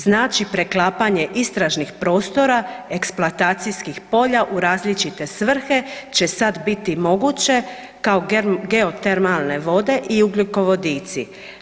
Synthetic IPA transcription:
znaːt͡ʃipɾe̞klˠaːpaɲe̞ʔist̪ɾaʒnixpɾo̞ːst̪o̞ɾae̞ksplˠoat̪aːt̪sijskixpo̞ʎaʔuɾaːzlit͡ʃit̪e̞sʋr̩xe̞t͡ɕe̞sad̪bit̪imo̞ɡut͡ɕe̞ | kao̞ɡe̞o̞t̪eɾmalˠne̞ʋo̞d̪e̞ʔiuɡlʲuko̞ʋo̞d̪iːt̪si

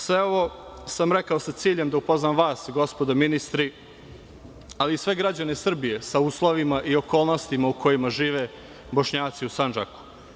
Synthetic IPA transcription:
sʋeo̞ʋosamɾekaosat̪siːʎe̞md̪aupoznamʋaːsɡo̞spo̞d̪ominist̪ɾi | aliːsʋe̞ɡɾad͡ʑane̞sr̩bije̞sauːslˠo̞ʋimaʔio̞ko̞ːlˠno̞st̪imaukʰo̞jimaʒiːʋe̞ | bo̞ʃɲaːt̪siusand͡ʒa̰ku̥

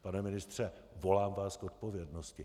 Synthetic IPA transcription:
panɛmɪnɪst̪r̥ɛ | vo̞laːmvaːskot̪̚po̞vjɛdnoscɪ

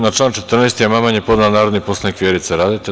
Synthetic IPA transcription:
nat͡ʃlaːnt͡ʃet̪r̩nest̪ijemamanjepo̞d̪alanaːɾod̪niposanikʋʲjeɾit̪seɾaːd̪it̪e

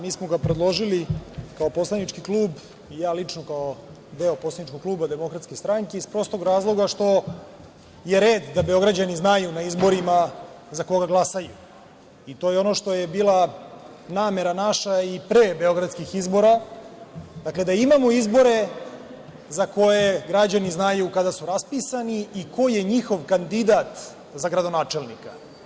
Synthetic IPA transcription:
miːsmoɡapɾed̪lˠo̞ʒilikao̞po̞slˠanit͡ʃkikluːb | ijaːlit͡ʃnokao | d̪e̞opo̞slanit͡ʃko̞ɡ̚kluːbad̪emo̞kɾat̪skest̪ɾaŋkeispɾo̞st̪oɡɾaːzlˠo̞ɡaʃt̪o̞ | je̞ɾeːd̪d̪abe̞o̞ɡɾad͡ʑaniznajunaizbo̞ɾima | zako̞ɡaɡlˠasaju | it̪o̞ːjeo̞no̞ʃt̪o̞jebiːlˠa | naːme̞ɾanaʃaipɾeːbe̞o̞ɡɾad̪skixizbo̞ɾa | d̪akle̞d̪aimamoizbo̞ɾe̞ | zako̞jeɡɾad͡ʑaniznajukad̪asuɾaspisaniiko̞je̞ɲixo̞ʋkand̪id̪at̪ | zaɡɾad̪o̞naːt͡ʃe̞lnika

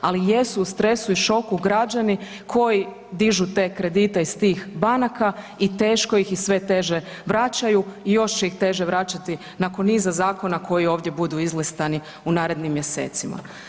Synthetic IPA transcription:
alijesuːst̪ɾe̞suiʃo̞kuɡɾad͡ʑani | kʰo̞ji | d̪iʒut̪e̞ːkɾe̞d̪it̪eist̪iːxbanaka | it̪e̞ːʃko̞jixisʋe̞t̪e̞ʒe̞ | ʋɾat͡ɕajuijo̞ʃt͡ʃeixt̪e̞ːʒeʋɾat͡ʃat̪i | nakonːiːzazaːko̞nakʰo̞jio̞ːʋd̪je̞bud̪uizlist̪ani | unaːɾe̞d̪nimːje̞se̞̰ːt̪sima̰

